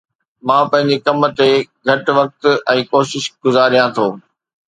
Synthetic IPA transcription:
mãːpɐ̃ɦɪ̃ɲd͡ʑekɐmt̪eɡʱɐʈʋɐk̚t̪ɛ̃ːkoːʃɪʃɡʊzaːɾijãt̪ʰoː

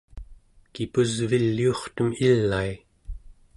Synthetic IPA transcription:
kipuzvilːio̞χt̪əmilːai

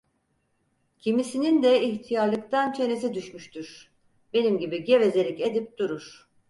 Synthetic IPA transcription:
cʰimisinind̪ɛiçt̪ʰijaɾlˠɯkt̪ʰant͡ʃʰe̞nezid̪yʃmyʃt̪ʰyɾ̥ | be̞nimɟibiɟe̞ve̞ze̞lʲice̞d̪ip̚d̪uɾuɾ̥

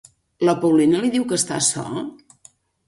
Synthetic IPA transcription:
ləpəwlinəliðiwkəst̪a̰sɔ̰

